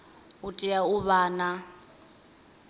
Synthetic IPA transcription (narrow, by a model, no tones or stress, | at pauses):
utʼiauβaːna